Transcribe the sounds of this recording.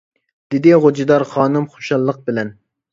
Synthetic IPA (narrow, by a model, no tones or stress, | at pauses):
d̪̥ɪd̪ɪʁod͡ʒid̪ɑɾχɑːnɨmχo̥ʃɑlˠːəq̚bɪlɛn